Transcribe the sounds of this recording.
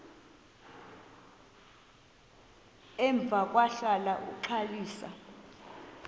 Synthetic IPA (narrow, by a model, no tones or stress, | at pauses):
ɛɱb̪vʱak̬ʼwaɬalaʔuǃʰaliːsa̰